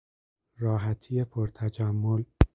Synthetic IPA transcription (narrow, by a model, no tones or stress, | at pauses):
ɾɒːɦæt̪ʰiːjepʰoɾt̪ʰæd͡ʒæmːol